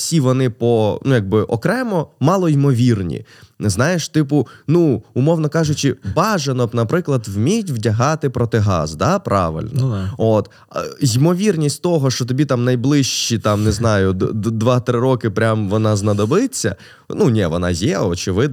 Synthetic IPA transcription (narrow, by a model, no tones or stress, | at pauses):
fsʲiʋɔnɪpɔnujɐɡ̚bɪʔɔ̰kɾɛmɔmɑlˠɔimɔʋʲirnʲḭznɑjeʃt̪ɪpʊnuʊmɔwnɔkɑʒʊt͡ʃɪbɑʒɐnɔpnɐpɾɪklˠɐd̪wmʲijtʲʋdʲɐɦɑt̪ɪpɾɔt̪ɪɦɑ̰zd̪ɑpɾɑ̰ʋɪ̰lʲnɔ̰ot̪ | jimɔʋʲirnʲisʲtʲt̪ɔɦɔʃt͡ʃɔt̪ɔbʲit̪ɑmnɐjblˠɪʃt͡ʃːit̪ɑmneznɑjʊd̪ʋɑt̪ɾɪɾɔkɪpɾʲamʋɔnɑznɐd̪ɔbɪt͡sʲːɐ̰ | nunʲɛʋɔnɑ̰jɛɔt͡ʃɪʋɪd̪̚n